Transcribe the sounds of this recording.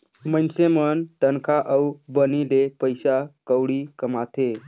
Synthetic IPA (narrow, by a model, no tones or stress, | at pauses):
mənsemənt̪ənkʰaʔəubənilepəjsakəwɽikəmat̪e